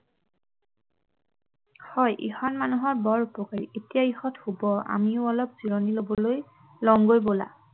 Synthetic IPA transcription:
hɔjʔixɔnmanuɦɔɹbɔɹupɔkaɹietijaixɔthubɔa̰miʊɔlɔpz̥iɹɔnilobɔloj | lɔŋɡojbola̰

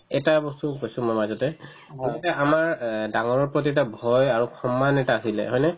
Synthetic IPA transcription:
ɛtabɔstukojsʊ̃mɔmazɔtɛ | ɔitɛamaɹdaŋɔɹɔɹpɹot̬iɛtabʱɔjaɹukʰɔmːanɛtaːɦilɛ̰ɦɔjnɛ

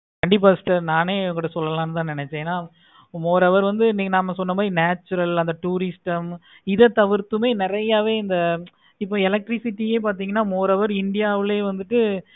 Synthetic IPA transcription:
kɐɳɖɪp̬aːsʈɐɾnaːneːŋkɡɯʈːɐsɔlːɐlãːnɯt̪ãːnɪnɛt͡ʃːẽːnːaː | moːɾɐʋɐɾʋɐnd̪ɯniːŋɡɐnaːmːɐsɔnːɐmbaːdɾinaːt͡ʃːʊɾɐlɐnd̪ɐʈuːɾɪsʈɐm | ɪðɐt̪ɐʋɪɾt̪ːɯmeːnɪɾɐjaːʋeːɪnd̪ɐ | ɪpːoɛlɐk̚ʈɾɪsɪʈːieːp̬aːɾt̪̬iːŋɡɐnːaːmoːɾɐʋɐɾɪɳɖɪjaːʋɪleːʋɐnd̪ɯʈːɯ

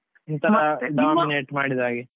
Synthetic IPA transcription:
int̪ɐɖaːmineːʈmaːɽid̪aːɡe

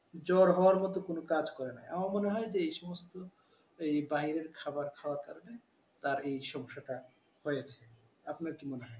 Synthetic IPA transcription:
d͡ʑɔɾɦɔaɾmɔt̪okonokad͡ʑkɔɾena̰eamamoneɦɔjd͡ʑeejʃɔmost̪o | ejbaɦiɾeɾkʰabaɾkʰaoaɾkaɾone | t̪aɾejʃɔŋʃaʈa | hojet͡ɕʰe | apnaɾkimoneɦɔj

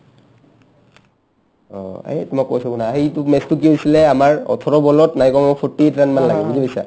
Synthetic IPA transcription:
ɔ̰a̰itumakːojsɔbunaːɦitumɛstuk̬iɦojsilɛamaɹɔ̰tʰɔɹɔbɔlɔtnajkɔmaɔpʰɔtːietɹanmanlaɡɛbuzibsa̰

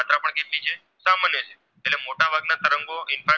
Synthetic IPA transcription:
at̪ɾapəɳkeʈlit͡ʃʰe | samanjət͡ʃʰe̥ | eʈlemoʈabʱaɡnat̪əɾəŋɡoɪnfa

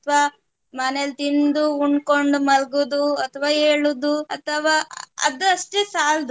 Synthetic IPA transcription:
ɐt̪ʰʋaː | mɐnelt̪ind̪uuɳɖkoɳɖumɐlɡud̪uɐt̪ʰɐʋaːɦeːɭud̪uɐt̪ʰɐʋaːɐ̰d̪ɐʂʈeːsaːld̪

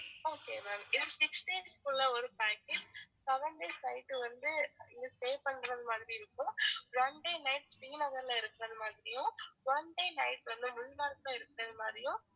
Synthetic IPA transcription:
oːkeːmɛmɪnsɪksʈeːd͡ʒskʊlːɐɔɾɯpaːkɪsɛʋɐɳɖeːsɐɪʈːɯʋɐnd̪ɯɪɐseːpɐɳɾɐðɯmaːðɾiɪɾɯkːʊ̃ʋɐnɖeːnɐɪʈsʋɪŋɡnɐɣɐɾlãːɪɾɯkːɯɾɐðɯmaːðɾɪjʊ̃ʋɐɳɖeːnɐɪʈʋɐnd̪ɯmʊnnaːɾklãːɪɾɯkːɯɾɐðɯmaːdɾɪjʊ̃

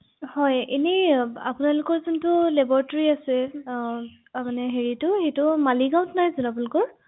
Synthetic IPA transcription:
hɔjenɛa̰pʊnalʊkɔɹzɔntʊlɛbɔɹtɔɹiasɛ | amanɛɦeɹitʊhetʊmaliɡaʊ̃tnajzunap̬nalʊkɔɹ

